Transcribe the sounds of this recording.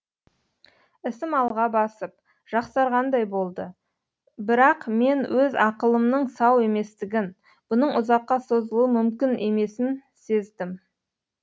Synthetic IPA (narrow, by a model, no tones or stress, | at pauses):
ɪsɪmɑlˠʁɑbɑsəp̚ | ʒ̥ɑqsɑɾʁɑnd̪ɑjbo̞lˠd̪ə | bɪɾɑqme̞nwʔɵzɑqəlˠəmnəɴsɑwe̞me̞st̪ɪɡʲɪn | b̥ʊnəɴʔʊzɑqːɑso̞zəlˠuwəmʏmkʲɪnʔe̞me̞sɪnse̞zd̪ɪm